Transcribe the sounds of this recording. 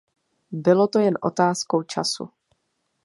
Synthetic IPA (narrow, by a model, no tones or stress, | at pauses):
bɪlo̞t̪o̞jɛnʔo̞̰t̪aːsko̞wt͡ʃa̰sṵ